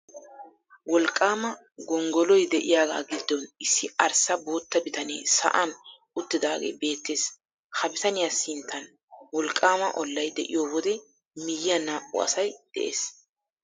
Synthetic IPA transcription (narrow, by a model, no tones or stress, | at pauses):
wɔlkʼːaːmɐ | ɡɔŋɡɔlɔjd̪ɛʔɪjaːɡa̰ːɡɪd̪ːɔnɪsːɪɐɾsɐbo̞ːt̪ːɐbɪt̪ɐnḛːsɐ̰ʔɐn | ʊt̪ːɪd̪aːɡḛbe̞ːt̪ːe̞ːs | hɐbɪt̪ɐnɪjasɪnt̪ʰːɐn | wɔlkʼːaːmɐ̰ʔɔlːɐjd̪ɛʔɪjoːwɔd̪ɛ | mɪjːɐnaːʔʊ̰ɐ̰sɐjd̪̥ɛ̰ʔḛːs